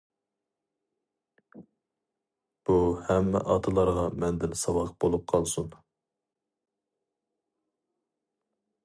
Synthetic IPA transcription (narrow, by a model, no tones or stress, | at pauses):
b̥uhɛmːɛ̰ʔɑt̪ʰɨlˠɑɾʁɑmɛnd̪ɪnsɑwɑqb̥olˠup̚qʰɑlˠsun